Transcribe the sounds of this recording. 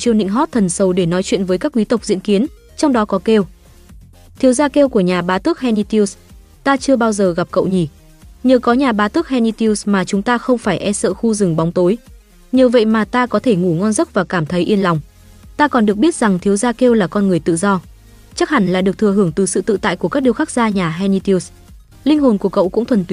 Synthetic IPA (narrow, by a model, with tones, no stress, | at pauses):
t͡ɕi˧əwnḭ˧˥ŋɦɔ˦˥t̚t̪ʰə˨˩nsə˨˩wɗe˧˩nɔ˨˦jt͡ɕwḭ˧˨ənvəː˨˦jkaː˦˥k̚ʔwi˨˦t̪ə˨˩k͡p̚zḭ˧˥nki˨˦ən | t͡ɕɔ˧wŋ͡mɗɔ˨˦kɔ˨˦ke˧w | t̪ʰi˨˦wzaː˧ke˧wku˧˩əɲaː˨˩ɓaː˨˦t̪ɨ˦˥ək̚hɛ˧ni˧t̪i˧ws | t̪aː˧t͡ɕɨ˧əɓaː˧wzəː˨˩ɣa˨˩p̚kə̰˧˨wɲi˧˩ | ɲəː˨˩kɔ˨˦ɲaː˨˩ɓaː˨˦t̪ɨ˦˥ək̚hɛ˧ni˧t̪i˧wsmaː˨˩t͡ɕʊ˨˦ŋ͡mt̪aː˧xə˧wŋ͡mfaː˧˩jʔɛ˧sə̰ː˧˨xu˧zɨ˨˩ŋɓa˨˦wŋ͡mt̪o˨˦j | ɲi˨əwvə̰˧˨jmaː˨˩t̪aː˧kɔ˨˦t̪ʰe˧˩ŋu˧˩ŋɔ˧nzə˦˥t̚vaː˨˩kaː˧˩mt̪ʰə˨˦jʔi˧ənla˨˩wŋ͡m | t̪aː˧kɔ˨˩nɗɨ˨˩ək̚ɓi˦˥ət̚z̥a˨˩ŋt̪ʰi˨˦wzaː˧ke˧wlaː˨˩kɔ˧nŋɨ˨˩əjt̪ɨ̰˧˨zɔ˧ | t͡ɕa˦˥k̚ha˨˧˩ŋ̟laː˧˨ɗɨ˨˩ək̚t̪ʰɨ˨˩əɦɨ˧˩əŋt̪ɨ˨˩sɨ̰˧˨t̪ɨ̰˧˨t̪a̰ː˧˨ku˧˩əkaː˦˥k̚ɗi˧əwxa˦˥k̚zaː˧ɲaː˨˩ɦɛ˧ni˧t̪s | lï˧ŋ̟ɦo˨˩nku˧˩əkə̰˧˨wkʊ̰˧˥ŋ͡mt̪ʰwə˨˩nt̪wi˨˦